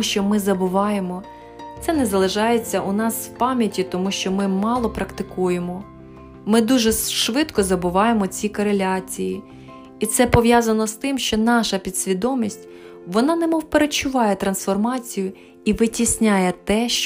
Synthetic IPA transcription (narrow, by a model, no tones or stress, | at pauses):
ʃt͡ʃɔmɪzɐbʊʋɑjemɔ | t̪sɛnɛzɐlˠɪʒɑjet͡sʲːɐʔʊnɑswpɑmʲjɐtʲit̪ɔmuʃt͡ʃɔmɪmɑlˠɔpɾɐkt̪ɪkujemɔ | mɪd̪uʒɛʃʋɪt̪kɔzɐbʊʋɑjemɔt͡sʲikɔɾelʲɑt͡sʲiji | it̪sɛpɔʋjɑzɐnɔst̪ɪmʃt͡ʃɔnɑʃɐpʲid̪sʲʋʲid̪ɔmʲisʲtʲ | ʋɔnɑnɛmɔwpeɾet͡ʃʊʋɑjɛt̪ɾɐnsfɔrmɑt͡sʲijʊ | iʋɪtʲisʲnʲajɛt̪ɛʃ